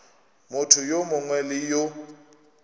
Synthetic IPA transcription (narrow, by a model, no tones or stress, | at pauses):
mʊtʰʊjomʊŋwɛlɪjʊ